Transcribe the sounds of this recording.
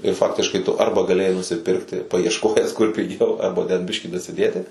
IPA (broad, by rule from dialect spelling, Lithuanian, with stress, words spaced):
ɪr ˈfɑːktʲɪʃkɐɪ tʊ ˈɐrbɐ ɡɐˈlʲeːjɛɪ nʊsʲɪˈpʲɪrktʲɪ pɐɪɛʃˈkoːjæːs kʊr pʲɪˈɡʲɛʊ ɐrbɐ tʲɛn ˈbʲɪʃʲkʲiː dɐsʲɪˈdʲeːtʲɪ